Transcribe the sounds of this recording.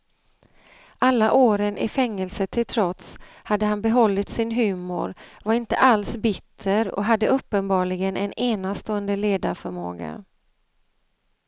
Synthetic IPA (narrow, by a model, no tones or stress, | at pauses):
ʔalːaʔoːɾənʔɪ̰fɛŋːəlsət̪ʰɪlt̪ʰɾɔt̪shad̪ːəɦanbɛɦɔlːɪt̪sɪnɦʉ̟ːmʊ̰ɾvaɾɪnt̪əʔalsbɪt̪ʰːəɾɔ̰ɦad̪ːəɵpːənbɑːɭɪɡənʔɛneːnast̪oːənd̪əleːd̪aɾfœɾmo̰ːɡa̰